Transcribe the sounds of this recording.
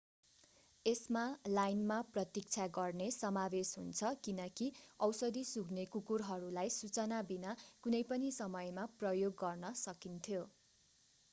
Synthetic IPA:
esmalajnmaprʌt̪ik̚t͡sʰaɡʌrnesʌmawesɦṵnt͡sʰʌkinʌkiʌwsʌd̪isuɡnekukurɦʌɾulajsut͡sʌnabinakunʌjpʌnisʌmʌjmaprʌjoɡːʌrnʌsʌkint̪ʰjo

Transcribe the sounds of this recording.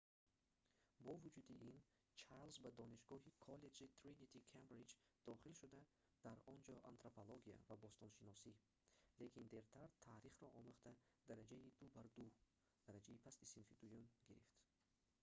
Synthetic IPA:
bɔvud͡ʒud̪iʔin | t͡ʃʰaɾlzbad̪ɔniʃɡɔɦikʰɔle̞d͡ʒit̪ʰɾinit̪ʰikʰambɾid͡ʒd̪̥ɔχilʃud̪a | d̪̥aɾɔnd͡ʒɔʔant̪ɾopʰoloɡia̰vabɔst̪ʰɔnʃinɔsi | le̞kʰind̪eɾt̪ʰaɾt̪ʰaɾiχɾɔʔɔmuχt̪ʰa | d̪̥aɾad͡ʒaid̪ubaɾd̪u | d̪̥aɾad͡ʒaipʰast̪isinfid̪ujunɡiɾift̪

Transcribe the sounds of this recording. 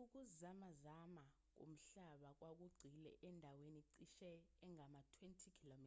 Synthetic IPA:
uk̬uzamazama | k̬o̰m̩ɬaɓak̬wʔak̬uɡ͡ǀʱilɛ̰ʔɛndʱaweniǀiʃɛːŋamatʰwentʰikʰilomi

